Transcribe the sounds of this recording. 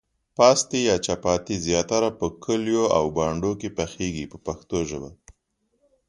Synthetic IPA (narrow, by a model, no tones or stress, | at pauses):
pɑst̪ijɑt͡ʃapɑt̪izjɑt̪aɾapəkʰəljoa̰wbɑɳɖokepaxeɡipəpaxt̪oʒəba